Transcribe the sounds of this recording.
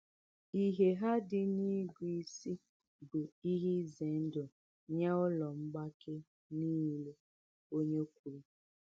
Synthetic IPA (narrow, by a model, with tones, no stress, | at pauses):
i˦ɦe˨ɦa˦dɪ˦ni˦ɡʷi˦˨si˦ | bɪ˨i˦ɦi˦ze˨n̩˦do˨ | ɲa˦ʊ˦lɔ˨ŋ͡m̩˦ɡ͡ba˦ke˦ | niː˦le˦ | o˦ɲe˦kʷu˨ɾi˦